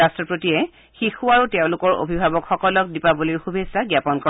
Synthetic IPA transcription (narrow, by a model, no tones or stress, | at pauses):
astɹɔpɹotiɛ | xixuaɹutɛʊ̃lʊkɔɹo̰bʱibʱabɔkxɔkɔlɔk̚dipaboliɹxubʱesaɡjapɔnkɔ